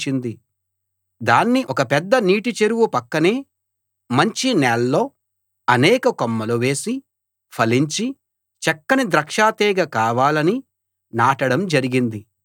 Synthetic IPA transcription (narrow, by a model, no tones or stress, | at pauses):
t͡ʃind̪i | d̪aːnːiʔɔkɐpɛd̪ːɐniːʈit͡ʃeɾuwupɐkːɐneː | mɐɲt͡ʃinɛːlːo̞ː | ɐnɛːkɐkomːɐluʋe̞ːsi | pʰɐliɲt͡ʃi | t͡ʃɛkːɐnid̪ɾɐkʂaːt̪ɛːɡɐkaːʋaːlɐni | naːʈɐɽɐmd͡ʒɐɾiɡind̪i